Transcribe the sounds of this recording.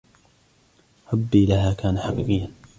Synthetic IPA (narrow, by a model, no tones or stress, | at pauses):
ɾˤɑbːiːlaɦaːkaːnaħɑqiːqɨjːa